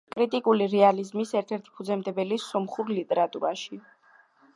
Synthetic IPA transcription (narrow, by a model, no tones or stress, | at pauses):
kʼɾit̪ʼikʼuliɾɛalizmisɛɾt̪ʰɛɾt̪ʰi̥pʰud̪zɛmd̪ɛbɛlisɔmχuɾlit̪ʼɛɾat̪ʼuɾaʃi